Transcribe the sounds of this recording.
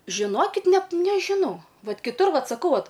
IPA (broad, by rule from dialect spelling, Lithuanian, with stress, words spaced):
ʒʲɪˈnoːkʲɪt ˈnʲɛt nʲɛʒʲɪˈnɐʊ ˈʋɐt kʲɪˈtʊr ˈʋɐt sɐˈkɐʊ ˈʋɐt